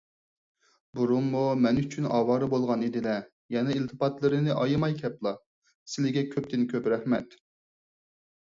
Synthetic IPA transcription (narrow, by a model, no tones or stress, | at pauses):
buɾumːumɛnyt͡ʃʰynɑ̰ːwɑːɾɨbolˠʁɑnid̪ɪlɛ | jɛnɛilt̪ʰɨpɑt̪lˠɨɾɨnɨʔɑjɨmɑjkʲʰɛplˠɑ | sɪlɪɡʲɛkʲʰøp̚t̪ʰɪnkʲʰøpɾɛhmɛt̪